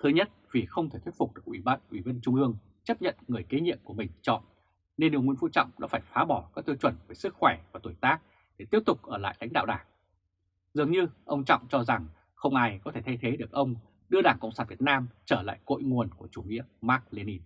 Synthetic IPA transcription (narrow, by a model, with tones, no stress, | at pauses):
t̪ʰɨ˨˦ɲə˦˥t̚vi˨˩xə˧wŋ͡mt̪ʰe˧˩t̪ʰwt̚fʊ˨˩k͡p̚ɗɨ˨˩ək̚ʔwi˧˩ɓaː˧nʔwi˧˩və˧nt͡ɕʊ˧ŋ͡mʔɨ˧əŋ | t͡ɕə˦˥p̚ɲə̰˧˨nŋɨ˨˩əjke˨˦ɲḭ˧əmku˧˩mï˨˩ŋ̟t͡ɕɔ̰˧˨n | ne˧nɗɨ˨˩ŋwi˧ənfṵ˧˥t͡ɕɔ̰˧˨wŋ͡mɗa̰ː˧˥faː˧˩jfaː˨˦ɓɔ˧˩kaː˦˥k̚t̪ɨ˧t͡ɕwə˧˩nve˧˩sɨ˦˥k̚xwɛ˧˩vaː˨˩t̪o˧˩jt̪aː˦˥k̚ | ɗe˧˩t̪i˦˥əp̚t̪ʊ˨˩k͡p̚ʔəː˧˩la̰ː˧˨jla̰˧˥jŋ̟ɗa̰ː˧˨wɗaː˧˩ŋ | zɨ˨˩əŋɲɨ˧ʔə˧wŋ͡mt͡ɕɔ̰˧˨wŋ͡mt͡ɕɔ˧za˨˩ŋ | xə˧wŋ͡mʔaː˧jkɔ˨˦t̪ʰe˧˩t̪ʰa˧jt̪ʰe˨˦ɗɨ˨˩ək̚ʔə˧wŋ͡m | ɗɨ˧əɗaː˧˩ŋkə̰˧˨ŋ͡msaː˧˩nvi˨˩ət̚naː˧mt͡ɕəː˧˩la̰ː˧˨jko̰˧˨jŋu˨˩ənku˧˩ət͡ɕu˧˩ŋḭ˧˥əmaː˦˥k̚le˧ni˧